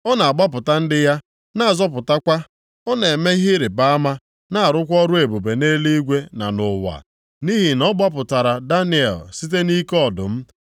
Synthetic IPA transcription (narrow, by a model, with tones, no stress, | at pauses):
ɔ˦na˨a˨ɡ͡ba˦p̬ʊ˨ta˦n̩˦dɪ˦ja˦ | na˦a˨zɔ˦p̬ʊ˨ta˦kʷa˦ | ɔ˦ne˨me˦ɦi˦ɾɪ˨ba˦a˦ma˦ | na˦a˨ɾʊ˦kʷɔ˦ɾʊ˦e˨bu˨be˨ne˦li˦ɡʷe˦na̰˨nʊ˨wa̰˨ | ni˦ɦi˨nɔ˦ɡ͡ba˦pʊ˨ta˨ɾa˨da˦nɪ˨ḛ˨lsi˦t̬e˦ni˦kɔ˦dʊ̰˨m̩˦